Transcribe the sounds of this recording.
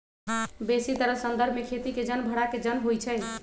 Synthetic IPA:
besit̪əɾəsənd̪əɾbʱmekʰet̪iked͡ʒənbʱəɽaked͡ʒənɦojt͡ʃʰɛ

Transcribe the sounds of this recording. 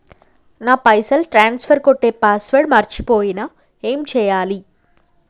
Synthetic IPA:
naːpɐjsɐlʈɾaːnspʰɐɾkoʈːeːpaːsʋɐɾɖmɐɾt͡ʃipoːjina | eːmt͡ʃɛːjaːli

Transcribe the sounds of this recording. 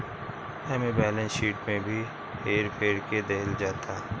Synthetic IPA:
ɛmẽbɛːlə̃nʃiːʈmẽbʱi | ɦeːɾpʰeːɾked̪eːɪld͡ʒaːt̪aː

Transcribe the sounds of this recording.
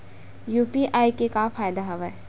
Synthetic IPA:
juːpiʔaːikekafʰaːjd̪aɦɐʋɛː

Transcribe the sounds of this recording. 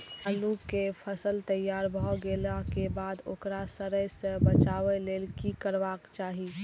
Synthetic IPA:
əlukepʰəsəlt̪əjːaːɾbʱɔɡelakebad̪o̰ːkɾasəɾəjsəbət͡ʃaʋelelkikəɾʋakt͡ʃaːɦi

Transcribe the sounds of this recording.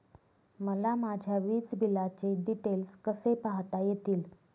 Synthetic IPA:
məlamad͡ʑʱjaʋiːt͡sbilat͡ɕeɖiʈelskəsepaɦt̪ajet̪iːl

